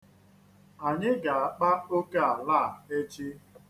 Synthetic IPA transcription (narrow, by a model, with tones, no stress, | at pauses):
a˨ɲɪ˦ɡa˨a˨k͡pa˦o˦ke˦a˨laː˦˨e˦t͡ʃi˦